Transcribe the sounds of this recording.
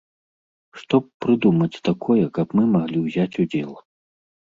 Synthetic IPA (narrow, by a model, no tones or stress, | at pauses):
ʂt̪ɔp̚pɾɨd̪umɐt͡sʲt̪akʰɔjɛkɐpmɨmaɣlʲiwzʲat͡sʲud͡zʲɛlˠ